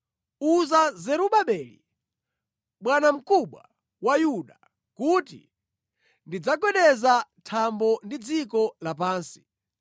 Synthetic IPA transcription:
uzazɛɾuɓaɓɛːlḭ | ɓwanam̩kuɓwa̰ | wajuɗa | kutḭ | ndid͡zaɡwɛɗɛzatʰambɔndid͡zikɔlap̬aːnsi̥

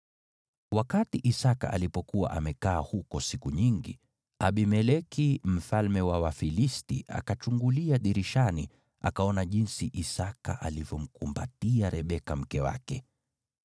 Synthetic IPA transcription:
wakatiʔisaka̰ʔalipɔkuwa̰ʔamɛkaːhukɔsikuɲiŋɡi | aɓimɛlɛkim̩falmɛwawafilistiʔa̰kat͡ʃuŋɡuliaɗiɾiʃani | a̰kaɔnaʄinsiʔisaka̰ʔalivjɔm̩kumbatiaɾɛɓɛkam̩kɛwa̰kɛ

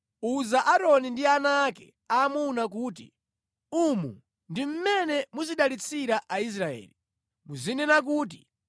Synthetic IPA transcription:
uzaʔaɾɔnindianaːkɛ̰ | amunak̬uːtḭ | umṵ | ndim̩mɛnɛmuziɗalit͡sʰiɾaʔais̬ɾaɛ̰ːli | muzinɛnak̬uːt̬i̥

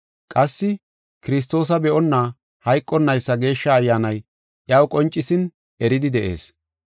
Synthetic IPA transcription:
kʼɐsːɪ | kɪɾɪs̬t̪o̞ːs̬ɐbɛʔɔnːaː | hɐjkʼːɔnːɐjsːɐɡe̞ːʃːɐːjːaːnɐj | ʔjɐwkʼɔnt͡ʃʼːɪsɪn | ɛɾɪd̪ɪd̪ɛʔe̞̰ːs

